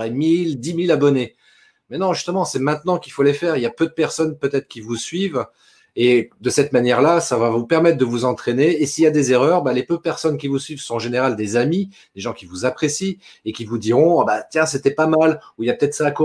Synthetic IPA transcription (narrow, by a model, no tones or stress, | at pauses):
ʁɛmild̪imilabɔne | mɛnɔ̃ʒyst̪əmɑ̃sɛmɛ̃t̪nɑ̃kʲilfolefɛʁiljapød̪əpɛʁsɔnpøt̪ɛt̪χəkʲivusɥiv | ed̪əsɛt̪manjɛʁlasavavupɛʁmɛt̪̚χd̪əvuzɑ̃t̪χeneːsiljad̪ezeʁœʁbalepød̪əpɛʁsɔnkʲivusɥivsɔ̃ɑ̃ʒeneʁald̪ezami | d̪eʒɑ̃kʲivuzapχesiekʲivud̪iʁɔ̃abat̪jɛ̃set̪ɛpamaluiljapə̥t̪ɛt̪χsako